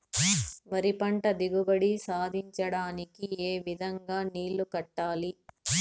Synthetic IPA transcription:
ʋɐɾipɐɳʈɐd̪iɡubɐɽisaːd̪ʱiɲt͡ʃɐɽaːnikieːʋid̪ʱɐŋɡaːniːlːukɐʈːaːli

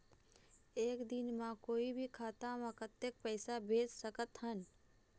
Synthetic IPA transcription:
eːkd̪ɪnmãkoːibʱikʰaːt̪amə̃kət̪ːek̚pɛːsabʱeːd͡ʒsəkət̪ɦən

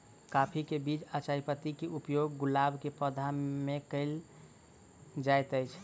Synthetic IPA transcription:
kapʰikebid͡ʒət͡ʃajipət̪ikeʔupjoɡːulabkepəd̪ʱamekəɪl | d͡ʒajt̪əɪt͡ʃʰ

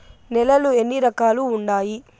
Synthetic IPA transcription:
nɛlɐlue̞nːiɾɐkaːluːɳɖaːji

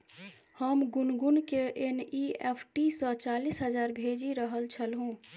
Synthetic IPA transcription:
həmɡʊnɡʊnkeʔenieːpʰʈisɔt͡ʃaːlisɦəzaːɾbʱeːd͡ʒiɾəɦəlt͡ʃʰəlɦõː

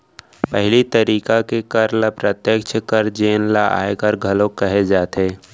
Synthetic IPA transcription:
pəɦlit̪əɾiːkakekəɾləpɾət̪jəkt͡ʃʰkəɾd͡ʒeːnlaʔa̰ːekəɾɡʱɐlõkəɦed͡ʒaːt̪eː

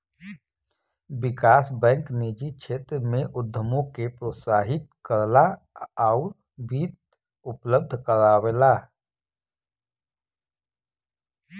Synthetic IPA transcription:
bɪkaːsbɛ̃ːŋkneːd͡ʒit͡ʃʰeːt̪ɾmẽʔʊd̪ʱːəmõkepɾoːt̪saːɦɪt̪̚kəɾla | aʊɾ | bʱiːt̪̚ | ʊpləb̚d̪ʱkəɾaːwela

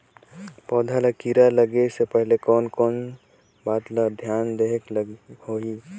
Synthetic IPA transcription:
pɔːd̪ʱalakiɾaləɡesepəɦɪlekɔːnkɔːn | baːt̪lad̪ʱjaːnd̪eɦklhoi

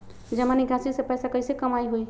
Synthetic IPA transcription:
d͡ʒəmaniɡasisepɛjsakəjsẽkəmajɦoj

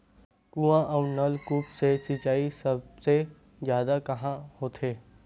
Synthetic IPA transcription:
kuãʔɐʊnɐlkuːpsesit͡ʃaːisɐbse | zjaːd̪akɐɦãhoːt̪ʰeː

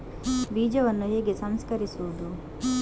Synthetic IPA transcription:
biːd͡ʒɐʋɐnːujeːɡesɐmskɐɾisoːd̪u

